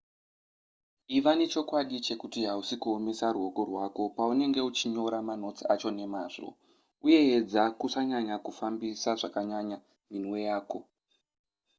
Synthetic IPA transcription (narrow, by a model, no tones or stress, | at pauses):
iʋane̞t͡ʃo̞kwaɗit͡ʃe̞kutiɦausikuo̞me̞saruɦo̞ko̞rwako̞paune̞ŋɡe̞ut͡ʃiɲo̞ɾamano̞t͡siat͡ʃo̞ne̞maːʐo̞̰ | uje̞ːd͡zakusaɲaɲakufambisaʐakaɲaɲa | minwe̞jaːko̞